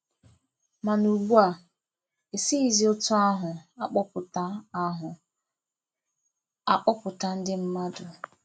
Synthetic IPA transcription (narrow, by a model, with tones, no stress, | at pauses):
ma˨nu˨ɡ͡bu˦a˨ | e˨si˦i˦zi˨˦o˦tʊ˦a˦ɦʊ˨a˦k͡pɔ˦pʊ˨ta˦a˦ɦʊ˨ | a˦k͡pɔ˦pʊ˨ta˦n̩˦dɪ˦m̩˦ma˦dʊ˨